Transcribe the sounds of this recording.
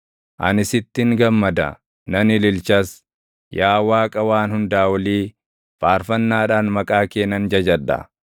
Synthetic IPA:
ʔɐ̰nɪsɪt̪ːɪŋɡɐmːɐd̪ɐ̰ | nɐnɪlɪlt͡ʃɐs | jaːwaːkʼɐwaːnhʊnd̪aːwɐliː | faːɾfɐnːaːᶑaːnmɐkʼaːkeːnːɐnd͡ʒɐd͡ʒɐᶑɐ̰

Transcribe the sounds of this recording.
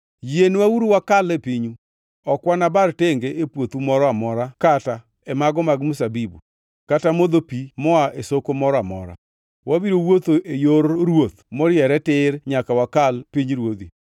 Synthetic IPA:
jenwauɾuwakalɛpiɲu | ɔkwanabarteŋɡeepwot̪umɔɾɔamɔɾakata | ɛmaɡɔmaɡmusabibṵ | katamod̪opimɔaʔesokomɔɾɔamɔ̰ɾa̰ | wabiɾowot̪oʔejoɾɾwot̪̚mɔɾɪjɛɾɛtɪɾɲakawakalpiɲɾwod̪ḭ

